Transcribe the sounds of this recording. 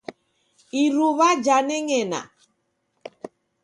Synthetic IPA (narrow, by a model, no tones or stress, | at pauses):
iɾuβad͡ʒanɛŋɛna̰